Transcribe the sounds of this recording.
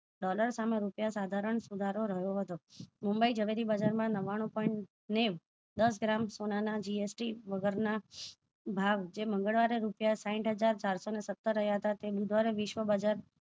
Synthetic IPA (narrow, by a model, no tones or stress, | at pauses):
ɖɔləɾsameɾupjasad̪ʱaɾəɳsud̪ʱaɾoɾəɦjoɦət̪omumbəid͡ʒəʋeɾibəd͡ʒaɾmãnəʋaɽ̃ũpɔiɳʈ | neʋ | d̪əs̬ɡɾamsonanad͡ʒiesʈiʋəɡəɾna | bʱaʋd͡ʒemə̃ŋɡəɭʋaɾeɾupjasãɪ̃ʈɦəd͡ʒaɾt͡ʃaɾsonesət̪ːəɾːəɦjaɦət̪at̪ebud̪ʱʋaɾeʋɪʃʋəbəd͡ʒaɾ